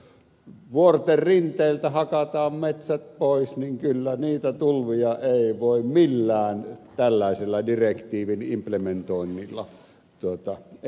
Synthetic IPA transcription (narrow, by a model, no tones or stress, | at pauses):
ʋuort̪errint̪ˑeˑːlt̪æhɑkɑt̪ɑːmmet̪sæt̪̚poˑesniŋkylːæniːt̪æt̪ulʋijɑʔeˑiʋoˑimmilːæːnt̪ælːæˑeselːɑdirekt̪iːʋinimplement̪oˑinːilːɑ̰ | t̪uot̪ɑ